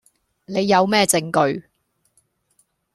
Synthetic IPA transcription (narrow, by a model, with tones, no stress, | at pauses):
ne˨˧jːɐ˨˧wmɛː˥t͡sɪ˧ŋkɵ˨˧ɥ